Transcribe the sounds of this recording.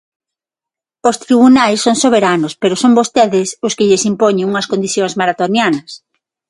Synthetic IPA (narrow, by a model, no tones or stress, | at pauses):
ost̪ɾiβunajsːoŋsoβ̞eɾanospeɾosombost̪eðɪsʊskɪʎɪsimpoɲeŋuŋɐskond̪iθjoŋzmaɾat̪onjanɐs